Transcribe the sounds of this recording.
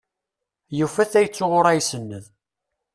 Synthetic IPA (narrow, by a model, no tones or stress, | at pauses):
jufæθæjət͡sːʊʁʊɾˤæjsənːəð